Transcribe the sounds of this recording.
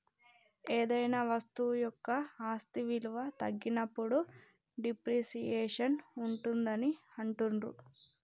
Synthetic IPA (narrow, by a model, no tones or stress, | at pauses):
eːd̪ɐjnaʋɐst̪ujɔkːɐaːst̪iʋiluʋɐt̪ɐɡːinɐpːuɽu | ɖipɾiːʃijɛːʂɐnuɳʈund̪ɐniɐɳʈunɾṵ